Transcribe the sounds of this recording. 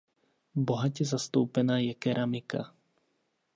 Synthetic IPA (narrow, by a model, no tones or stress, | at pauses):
boɦacɛzast̪oʊpɛnaːjɛkɛɾʔamika̰